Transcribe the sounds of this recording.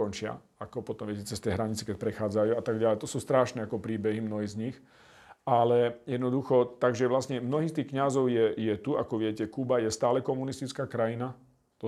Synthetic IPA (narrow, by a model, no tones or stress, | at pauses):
ɔnt͡ʃɪa̰ | akɔpɔt̪ɔmʋɪɛcɛt͡sɛst̪ɛjɦɾaɲit͡sɛkɛc̚pɾɛxaːd͡zajuːat̪aɡɟalɛjt̪ɔsuːst̪ɾaːʃnɛakɔpɾiːbɛɦimnɔɦiːzɲix | alɛjɛd̪nɔd̪uxɔt̪aɡʒɛʋlasɲɛmnɔɦiːst̪iːxkɲazɔʊjɛjɛt̪uakɔʋɪɛcɛkubajɛst̪aːlɛkɔmunist̪it͡skaːkɾajina | t̪ɔ